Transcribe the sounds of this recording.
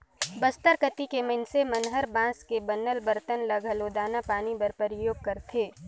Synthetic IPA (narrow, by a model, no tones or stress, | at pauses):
bəst̪əɾkət̪ikemənsemɐnɦəɾbãːskebənːəlbəɾt̪ənləɡʱəloːd̪aːnapaːnibɐɾpəɾɪjoːɡ̚kɐɾt̪ʰeː